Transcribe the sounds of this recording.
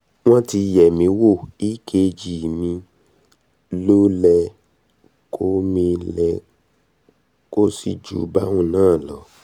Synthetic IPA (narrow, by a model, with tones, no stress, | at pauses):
w̃ɔ̃˦ti˧˨jɛ˨mĩ˨˧˦wo˦˨i˦ke˧d͡ʒi˨mĩ˧ | lo˦lɛ˧ | kʰo˦mĩ˧lɛ˧ | ko˦si˧d͡ʒṵ˨˦ba˦wũ˦˨nãː˦˨lɔ˨˦